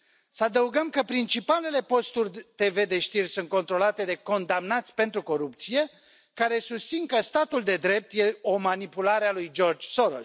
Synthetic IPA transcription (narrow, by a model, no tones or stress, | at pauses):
səad̪əuɡəmkəpɾint͡ʃipale̞le̞po̞st̪urʲt̪e̞ve̞d̪e̞ʃt̪irʲsunt̪̚ko̞nt̪ɾo̞lat̪e̞d̪e̞ko̞nd̪amnat̪sʲpe̞nt̪ɾuko̞ɾup̚t̪sije̞ | kaɾe̞sust̪sinkəst̪at̪uld̪e̞d̪ɾe̞p̚t̪je̞o̞manipulaɾealujd͡ʒo̞rd͡ʒsoɾo̰